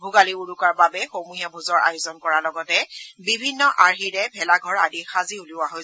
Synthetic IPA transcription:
bʱʊɡaliuɹukaɹbabɛxomujabʱuzɔɹa̰jʊzɔnkɔɹalɔɡɔtɛbibʱinːɔʔaɹxiɹɛbʱɛlaɡʱɔɹadixaziulʊwaɦoj

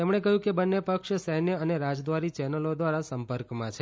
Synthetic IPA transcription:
t̪emɳ̃ekəɦjũkebənːepəkʃsəɦnjəəneɾad͡ʒd̪ʋaɾit͡ʃɛnəlod̪ʋaɾasəmpəɾkmãt͡ʃʰe

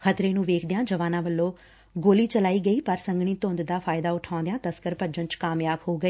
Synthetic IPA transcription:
xʰət̪ɾeːnũːʋeːkʰd̪ejãːd͡ʒəʋaːnãːʋəlːõː | ɡoːliːt͡ʃəlaːiːɡəiːpəɾsəŋɡɳiːt̪õːnd̪d̪aːpʰaːɪd̪aːʊʈʰãʊ̃ːnd̪ejãːt̪əskəɾpəd͡ʒə̃nt͡ʃkaːmjaːbhoːɡəeː

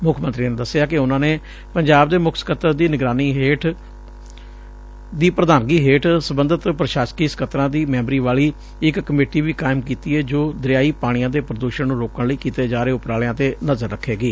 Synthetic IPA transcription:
mʊkʰmənt̪ɾiːned̪əsːɪjaːkɪʊnãːneː | pəɲd͡ʒaːbd̪eːmʊkʰsə̥kət̪əɾd̪iːnɪɡɾaːniːɦeːʈʰ | d̪iːpɾəd̪aːnɡiːɦeːʈsəbənd̪ət̪pɾəʃaːskiːsə̥kət̪ɾãːd̪iːmɛ̃ːmbɾiːʋaːɭiː | ɪkːəmeːʈiːʋiːkaːɪmkiːt̪iːɦɛːd͡ʒoːd̪əɾɪjaːiːpaːɽ̃ɪjãːd̪eːpɾəd̪uːʃənnũːɾoːkəɳləiːkiːt̪eːd͡ʒaːɾeːʊpɾaːljãːt̪eːnəzəɾːəkʰːeːɡiː

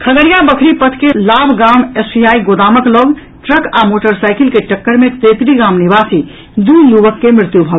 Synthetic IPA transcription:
kʰəɡəɾijabəkʰɾipət̪ʰkelabʱɡamesbiaiɡod̪aməkloɡ | ʈɾəkamoʈəɾsajkilkeʈəkːəɾmet̪et̪ɾiɡamnibasi | d̪ujubəkːemɾɪt̪jubʱə

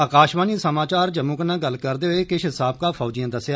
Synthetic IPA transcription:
əːkaːʃbaːniːsəmaːt͡ʃaːɾd͡ʒəmũːknãːɡəlːkəɾd̪eːɦʊeːkɪʃɦɪsaːb̚kaːpʰɔːd͡ʒijãːd̪əsjaː

